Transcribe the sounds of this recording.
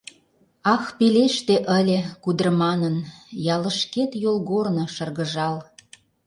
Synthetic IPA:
ɑxpeleʃt̪eʔəlʲĕkud̪ərmɑnənjɑlə̆ʃket̪jolɣornɤ̆ʃə̆rɣə̆ʒɑl

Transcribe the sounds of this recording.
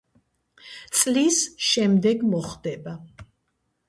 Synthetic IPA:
t̪sʼlisʃɛmd̪ɛɡmɔχd̪ɛba

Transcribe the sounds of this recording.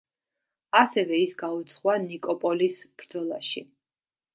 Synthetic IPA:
asɛvɛisɡaut̪sʰχwanikʼɔpʼɔlisb̥ɾd̪zɔlˠaʃi

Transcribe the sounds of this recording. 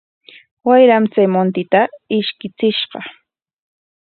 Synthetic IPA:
wajɾamt͡sajmont̪ɪt̪aɪʃkɪt͡sɪʃɢɑ

